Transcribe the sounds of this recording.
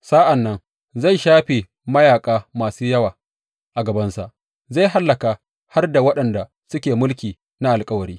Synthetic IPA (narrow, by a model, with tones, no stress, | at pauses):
saː˦ʔa˨nːɐ˦ŋ | za˦˨jʃaː˦ɸe˨ | mɐ˦jaː˨kʼaː˦maː˨suː˦jɐ˦waː˨ | ʔa˨ɡɐ˨bɐ˦nsa˨ʔ | za˦˨ɦa˦lːɐ˨ka˨ | ha˦rda˨wɐ˦ɗɐ˨nda˨ | sʊ˦kʲeː˨mʊ˦lkʲiː˨ | na˦ʔa˨lkʼɐ˦wɐ˨ɾiː˦